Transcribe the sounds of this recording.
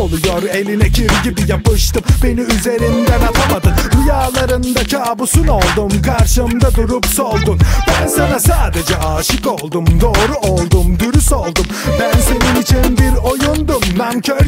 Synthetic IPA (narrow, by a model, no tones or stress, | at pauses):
olˠujoɾe̞lʲinɛcʰiɾɟibijapɯʃt̪ɯmbe̞niyze̞ɾind̪ænalˠamad̪ɯnb̪ujaːlˠaɾɯnd̪acʰaːbusuno̞lˠd̪umkʰaɾʃɯmd̪ad̪uɾupso̞lˠd̪unbænsanasaːd̪e̞d͡ʒɛʔaːʃɯko̞lˠd̪umd̪o̞ːɾuolˠd̪umd̪yɾyso̞lˠd̪umbænse̞ninit͡ʃʰinbiɾo̞jund̪umd̪ancʰøɾ